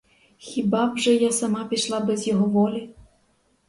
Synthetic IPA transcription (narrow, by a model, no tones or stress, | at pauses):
xʲibɑbʒɛjasɐmɑpʲiʃlˠɑbɛzjɔɦɔʋɔlʲi